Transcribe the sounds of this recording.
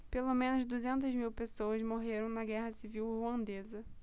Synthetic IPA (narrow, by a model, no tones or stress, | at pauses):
pelomẽnʊzd̪uzẽnt̪ɐzmiwpesoɐzmoɦeɾɐ̃w̃nɐɡɛɦɐsiviwhuɐ̃nd̪ezɐ